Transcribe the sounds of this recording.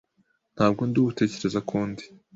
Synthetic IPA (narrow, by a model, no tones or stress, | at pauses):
n̥haːbɡonduːβute̞ːce̞ɾe̞zakʰuːndi